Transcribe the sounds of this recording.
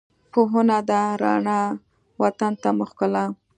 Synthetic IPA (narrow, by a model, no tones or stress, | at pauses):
poɦənad̪aɾɑ̰ɳa | wat̪ant̪amʊxkəla